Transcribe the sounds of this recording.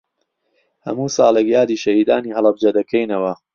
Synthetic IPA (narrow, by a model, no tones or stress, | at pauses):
hɐ̰muːsɑːlekjaːd̪iːʃɐhiːd̪aːniːɦɐlˠɐb̚d͡ʒɐd̪ɐkʰejnɐwɐ